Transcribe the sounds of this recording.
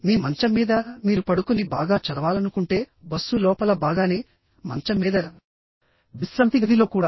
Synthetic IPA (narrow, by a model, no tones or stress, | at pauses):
niːmɐɲt͡ʃɐmiːd̪ɐmiːɾupɐɽukunibaːɡaːt͡ʃɐɾɐʋaːlɐnukuɳʈe̞ːbɐsːulɔːpɐlɐbaːɡaːneː | mɐ̰ɲt͡ʃɐmːiːd̪ɐ | ʋisɾɐnt̪iɡɐd̪ilo̞ːkuːɽaː